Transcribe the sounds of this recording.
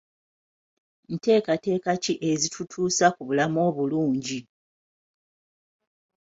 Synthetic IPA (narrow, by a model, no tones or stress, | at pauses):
n̩te̞ːkate̞ːkaciʔezitʰutʰuːsakuβulamo̞ːβuluːɲɟi